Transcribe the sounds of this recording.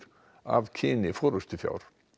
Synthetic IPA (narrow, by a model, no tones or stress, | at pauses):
ɾ̥ | a̰vcʰɪːnɪfɔoːɾʏst̪ʏfja̰ːwɾ̥